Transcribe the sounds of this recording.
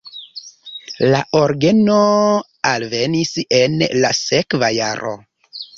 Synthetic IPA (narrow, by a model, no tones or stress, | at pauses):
laʔoɾɡeno | alve̞nise̞nlase̞kvaja̰ɾo̞̰